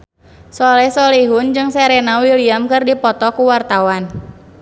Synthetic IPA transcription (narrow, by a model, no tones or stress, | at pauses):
sɔlɛsɔliɦund͡ʒɨŋsɛɾenawiliamkɨrdipɔt̪ɔkuwart̪awan